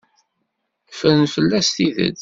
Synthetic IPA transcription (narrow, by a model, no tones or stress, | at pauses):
fəɾnfəlːæst̪iðə̰d